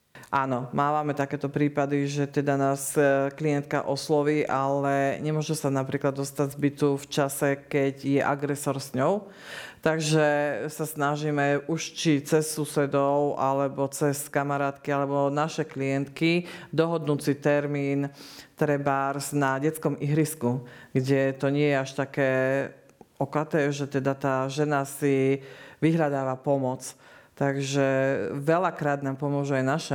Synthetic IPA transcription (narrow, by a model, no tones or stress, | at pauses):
ʔaːnɔmaːʋamɛt̪akɛːt̪ɔpɾiːpad̪iʒɛt̪ɛd̪anaːskliɛnt̪ka̰ʔɔslɔʋiːʔalɛɲɛmʊɔʒɛsanapɾiːklad̪ːɔst̪aɟzbit̪uft͡ʃasɛkɛɟjɛʔaɡɾɛsɔɾsɲɔʊ | t̪aɡʒɛsasnaʒimɛuʃt͡ʃit͡sɛsːusɛd̪ɔʊʔalɛbɔt͡sɛskamaɾaːt̪kialɛbɔnaʃɛklijɛnt̪kid̪ɔɦɔd̪nut͡sit̪ɛɾmiːnt̪ɾɛbaːɾznaɟɛt͡skɔmiɦɾiskuɡɟɛt̪ɔɲɪɛjɛaʃt̪akɛː | ɔkat̪ɛːʒɛt̪ɛd̪at̪aːʒɛnasiʋiɦʎad̪aːʋapɔmɔt͡st̪aɡʒɛʋɛlakɾaːd̪̚naːmpɔmʊɔʒuajnaʃɛ